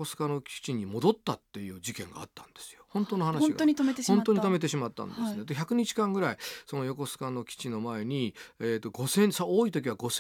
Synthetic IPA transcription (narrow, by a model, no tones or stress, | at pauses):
o̞sɨ̥kano̞kʲi̥t͡ɕiɲ̟imo̞d̪o̞t̪ːat̪ːe̞jɯ̟ːd͡ʑikẽ̞̰ŋɡa̰ːt̪ːãnd̪̥e̞sɨ̥jo̞hõ̞nt̪ono̞hanainɡaoɲit̪omeõnt̪oɲ̟it̪̬ome̞t̪̬e̞ɕimat̪ːã̰nd̪esned̪eçʲakɯ̟ɲ̟it͡ɕi̥kãŋɡɯɾaiso̞no̞jo̞ko̞sɨ̥kano̞kʲi̥t͡ɕino̞mae̞ɲ̟iet̪ːo̞ɡo̞sẽ̞nsooːit̪o̞kʲiβaɡo̞s